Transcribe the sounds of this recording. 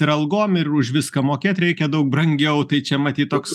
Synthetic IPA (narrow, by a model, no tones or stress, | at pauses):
ɪɾɐlˠɡoːmɪɾʊʃʋʲɪskɐmoːkʲeːt̪ʲɾʲɛɪkʲɛd̪ɐʊk̚bɾɐŋʲɡʲɛʊt̪ɐɪt͡ʃʲɛmɐt̪ʲiːt̪̚t̪oːks